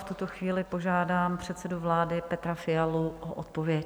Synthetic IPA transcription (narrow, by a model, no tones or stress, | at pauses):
ft̪ut̪oxviːlɪpo̞ʒaːdaːmpr̝̥ɛt̪sɛduvlaːdɪpɛt̪ɾafɪjaluʔoʔot̪povjɛc